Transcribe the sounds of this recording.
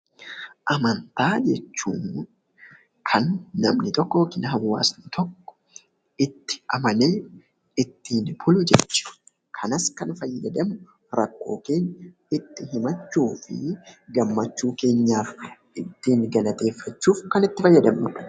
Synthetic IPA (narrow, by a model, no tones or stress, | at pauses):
ʔɐmɐnt̪aːd͡ʒɛt͡ʃːuːn | kʰɐnːɐmnɪt̪ɔkːɔwokːɪnɦɐwːa̰ːsnɪt̪ʰɔkːɔ̥ | ɪt̪ːɪ̥ɐmɐneː | ɪt̪ːiːnbʊlʊd͡ʒɛt͡ʃːɪ̥ | kʰɐnɐskɐnfɐjːɐd̪ɐm | ɾɐkːo̞ːkeːnː | ɪt̪ːɪhɪmɐt͡ʃːuːfɪ̰ɡɐmːɐt͡ʃːuːke̞ːɲːaːf | ɪt̪ːiːnɡɐlɐt̪e̞ːfːɐt͡ʃːuːfkɐnɪt̪ːɪfɐjːɐd̪ɐmːʊᶑɐ̥